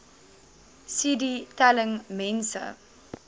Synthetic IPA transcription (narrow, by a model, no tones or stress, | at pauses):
siditɛləŋmɛ̃nsə̰